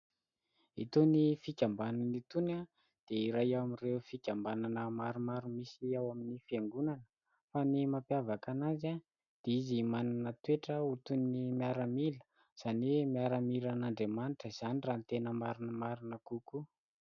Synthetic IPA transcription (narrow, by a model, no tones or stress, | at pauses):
ḭt̪unifikʲambananit̪una | d̪̥eiɾajawamireufikʲambananəmaɾumaɾumisiawaminifeŋɡunanə̥ | fanimapjavakanaza | d̪̥eizimananət̪ueʈ͡ʂəut̪unːimiaɾamilə̥ | z̥animiaɾamiɾanaɳɖ͡ʐemanʈ͡ʂəiz̥anirant̪enəmaɾunəmaɾinəkuku